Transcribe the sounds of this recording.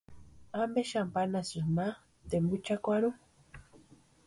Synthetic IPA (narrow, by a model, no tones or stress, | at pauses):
ambeʃampanasɨma | t̪embut͡ʃakʷaɾu